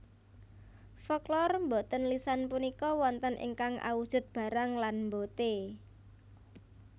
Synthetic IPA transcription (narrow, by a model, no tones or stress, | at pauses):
fɔklɔrmbot̪ənlisanpunikɔwɔnt̪ənʔḭŋkaŋa̰wud̥ʒ̥ʊ̤t̪̚b̥a̤ɾaŋlanmbot̪e